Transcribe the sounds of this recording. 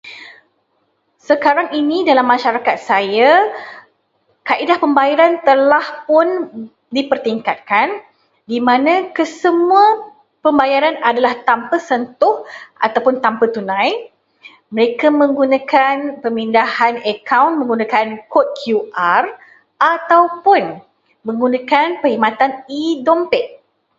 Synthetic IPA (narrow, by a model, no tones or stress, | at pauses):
səkaɾaŋinĩdalamːãʃaɾakat̪̚saja | kaʔidahpəmbajaɾant̪əlahpʊn | dipərt̪iŋkat̪̚kan | dimãnãkəsəmũa | pəmbajaɾanadalaht̪ampəsənt̪ʊhʔa̰t̪awpʊnt̪ampət̪unãj | məɾekamə̃ŋɡunãkanpəmindahanəkawnmə̃ŋɡunãkankɔt̪̚kʰjuʔar | ʔat̪awpʊn | mə̃ŋɡunãkanpəhimat̪anidɔmpɛk̚